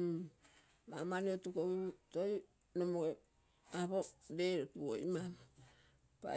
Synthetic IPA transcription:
mamaniotukoitoj | nomoe | aβodeɾotuo̰imam | pa̰

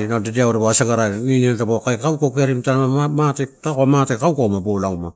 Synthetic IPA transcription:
nadediawɾeboasaɡaɾaninentabokajkawkokeaɾimtaaamatetakomatekawkomabolama

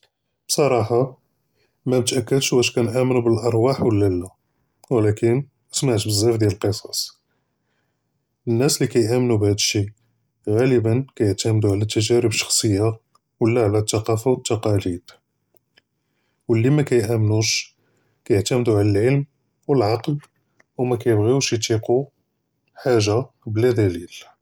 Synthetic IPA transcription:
bsˤɑɾˤɑħɑ | mæmət̪ʔækːəd̪ʃwæʃ̬kænʔæmnubəlʔɑɾˤwaħwəlːælːæ | wəlækən | ʔəsmaʕt̪bəzːæfd̪jæləlqəsˤɑ̥sˤ | ənːæslikæjʔæmnubhæd̪əʃi | ɣæləbənkæjəʕt̪æmd̪uʕlæt̪ːəʒæɾəbʃɑ̥xsˤəjːa | wəlːæʕlæt̪ːɑqɑfawət̪ːɑqɑlid̪̥ | wəlːimækæjʔæmnuʃ | kæjəʕt̪æmd̪uʕlælʕəlm | wəlʕɑql | wmækæjəbɣiwʃjət̪iqu | ħaʒa | blæd̪ælil

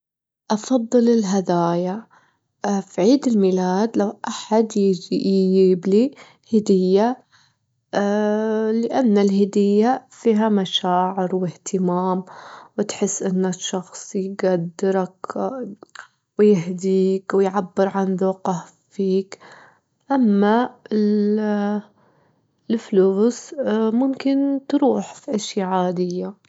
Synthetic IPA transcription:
ʔɑfɑðˤːɨlɪlɦad̪aːja | fiʕiːd̪ɪlmilaːd̪lawʔaħad̪ | ibli | hɪd̪ɪjːa | lɪʔanːalhɪd̪ɪjːafiːɦamaʃaːʕɪɾwɪht̪ʰɪmaːmwɪt̪ħɪsːʔɪnːaʃːɑxsˤjɡad̪ːɪɾak | wɪjɪɦd̪iːkwɪjʕabːɪɾʕanðuːqah | fiːk | ʔamːaɪl | ɪlfluːsmʊmkɪnt̪ɾuːħfiʔaʃjaʕaːd̪ɪjːa

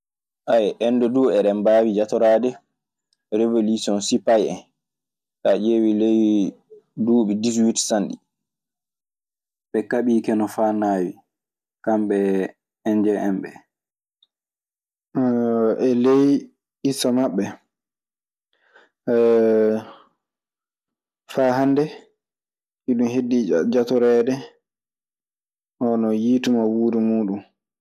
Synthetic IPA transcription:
ʔajʔɛnːdɔduːɛɾɛmbaːwid͡ʒatɔɾaːdɛ | ɾevolusiɔnsipajɛ̰n | kad͡ʒewilej | duːɓidis̬witsanɗi | ɓɛkaɓiːkɛnɔfanaːwi | kamɓɛ | ɛnd͡ʒɛʔɛmɓɛ̰ | ʔɛlej | isɔmaɓːɛ | faːɦandɛ | ʔiɗumhedːid͡ʒatɔɾɛdɛ | ɔnɔjiːtumawuːdumuːɗun

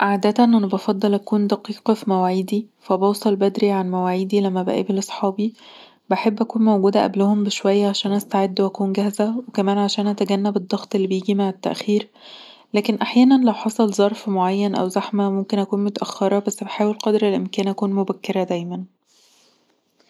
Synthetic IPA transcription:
ʔaʕd̪æt̪æʔnʔænebɑfɑd̪ˤːɑlʔækuːnd̪æqiːqɑfimæwʕiːd̪ifæbɑwsˤɑlbæd̪ɾiʕanmæwæːʕeːd̪ilæmːæbæʔæ̰ːbilʔɑsˤħɑːbi | baħebːʔækuːnmowɡuːd̪æʔæ̰blʊhombeʃwæjːæʕaʃæːnʔæst̪aʕed̪ːwʔækuːnɡæhzæwekæmæːnʕaʃæːnʔæt̪æɡænːæbed̪ˤːɑɣt̪ˤelːibejiːɡimaʕet̪ːæ̰ʔxiːɾ | læːkenʔaħjæːnænlæwħɑsˤɑlzˤɑɾˤfmoʕajːænʔæ̰wzæħmæmomkenʔækuːnmot̪æʔæxːɑɾˤɑbæsːbeħaːwelqɑd̪ɾelʔemkæːnʔækuːnmobækːeɾæd̪æjmæn

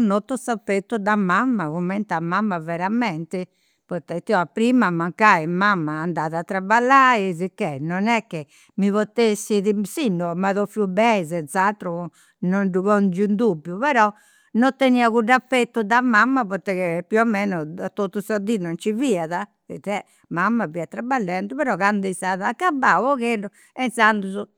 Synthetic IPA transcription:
nːot̪ːɔsapːet̪ːud̪amamːaɣumːɛnt̪amamːavɛɾamɛnt̪ɛ | pɔt̪ɛt̪iɔapːɾiːmamaŋkaimamːaːnd̪aðat̪ːɾabalːaːizikːɛnɔnɛkːe | mivɔt̪ːesːiðisinːɔmaðɔfjubɛizɛnt̪sat̪ɾu | nɔnɖuβɔnd͡ʒund̪ubːjupɛɾɔ | nɔt̪ːeniːaɣuɖafɛt̪ːud̪amamːapɔɾt̪ɛkepjuɔmːɛnɔat̪ːot̪ːusad̪inɔnt͡ʃiviːaða | ɛ̰t̪ɛ | mamːaviːat̪ːɾabalːɛnt̪uβɛɾɔɣand̪ɛst̪aðaːkːabːaɔɣerɔ | ɛnsand̪uzu

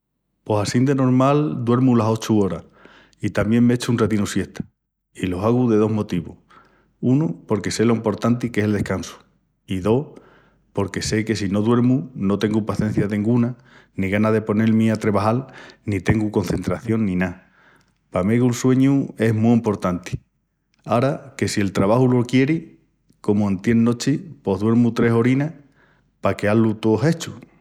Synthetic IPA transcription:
po̞sasind̪e̞no̞ɾmald̪we̞ɾmulaso̞t͡ʃuo̞ɾa | it̪amje̞ŋmeet͡ʃuunret̪inusje̞ht̪ʰḁ | ilo̞saɣuðe̞ð̞o̞ɦmo̞t̪iβo̰h | unupo̞ɾke̞se̞lo̞impo̞ɾt̪ant̪ike̞sld̪e̞hkansu̥ | iðo̞h | po̞ɾke̞se̞ke̞sino̞ðwe̞ɾmuno̞t̪e̞ŋɡupaθje̞n̟θjaðeĩŋɡuna | nĩɣanaðe̞po̞ne̞lmĩat̪ɾe̞βahalnit̪e̞ŋɡuko̞nθe̞nt̪ɾaθjo̞nnĩna | pameɣulswe̞ɲue̞ɦmuimpo̞ɾt̪ant̪i̥ | aɾake̞sie̞lt̪ɾaβahulo̞kje̞ɾi | ko̞muãnt̪je̞nːo̞t͡ʃipo̞ɦðwe̞ɾmut̪ɾe̞ɦo̞ɾina | pake̞alut̪oɦe̞t͡ʃu

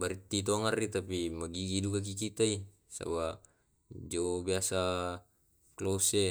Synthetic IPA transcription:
baɾit̪ːit̪̬oŋarit̪apimaɡiɡidukak̬ikit̪ai | sa̰ba | d͡ʒobiasa | klose

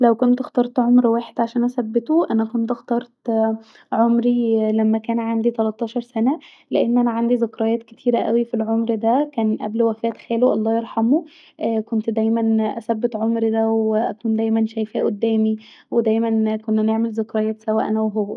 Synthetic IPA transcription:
læwkont̪xt̪ɑɾˤt̪ʕomɾwæːħed̪ʕaʃæːnʔæsæbːet̪oʔænækont̪ʔɑxt̪ɑɾˤt̪ | ʕomɾilæmːækæːnʕand̪it̪ælɑt̪ˤːɑːʃɑɾˤsænæ | leʔenːʔænæʕand̪izekɾˤɑjæːt̪ket̪ʰiːɾæʔæ̰wifilʕomɾd̪ækæːnʔæ̰blwækæːt̪xæːluʔɑlˤːɑːjeɾˤħɑmo | ʔækont̪d̪æjmænʔæsæbːet̪ʕomɾd̪æweʔæ̰kuːnd̪æjmænʃæjfæːʔod̪ːæːmiwed̪æːjmænkonːneʕmelzekɾˤɑjæːt̪sæwæʔænæwɦowːæ

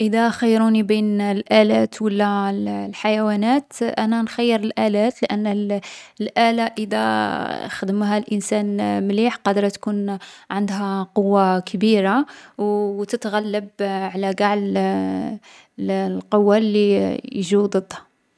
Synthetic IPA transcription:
ʔəd̪æxəjːɾunibinlʔælæt̪wəlːællħajæwænæt̪ʔænænxæjːəɾəlʔælæt̪ləʔənː | lʔælaʔəd̪æ̰xd̪əmɦælʔənsænmliħqɑd̪əɾˤt̪kunʕənd̪ɦæqowːakbiɾawt̪ət̪ɣælːəbʕlæɡaʕl | lqowːalːijʒud̪ˤəd̪ˤhḁ

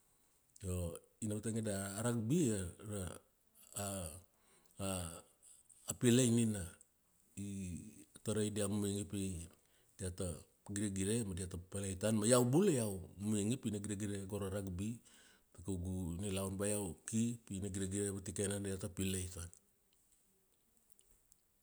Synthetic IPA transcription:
jo | inabataŋedaːɾak̚biaɾa | pilejnina | i | taɾajdiamumuŋipej | diata | ɡiɾeɡiɾemadiatapalejtanmajawbulejawmuiŋipinaɡiɾeɡiɾeɡoɾaɾakbi | takuɡunilawnbajawkipinaɡiɾeɡiɾebatikenadiatapilejtan

